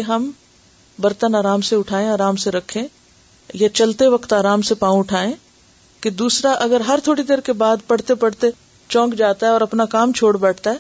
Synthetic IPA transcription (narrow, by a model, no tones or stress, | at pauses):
keɦɐm | bɐɾt̪ənaːɾaːmseʊʈʰaːẽaːɾaːmseɾɐkʰẽ | jat͡ʃɐlt̪eʋɐkt̪aːɾaːmsepãːũʊʈʰaːẽ | ked̪uːsɾaʔɐɡəɾɦɐɾt̪ʰoːɽid̪eːɾkebaːd̪pɐɽ̤t̪epɐɽ̤t̪e | t͡ʃɔ̃ːkd͡ʒaːt̪aɦɛɔːɾɐpnakaːmt͡ʃʰoːɽbɛːʈʰt̪aɦɛː